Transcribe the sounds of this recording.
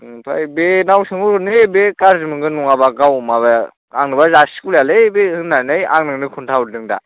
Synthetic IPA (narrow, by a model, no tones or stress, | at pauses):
tʰa̰jbenawsɯŋuɾunɯbekaɾzɯmɯŋɡɯnuŋabakawmaβa | a̰ŋnɯbazasi̥kuljalɯjbehɯnːanɯja̰ŋnɯŋnɯkʰuntʰaudɯŋda̰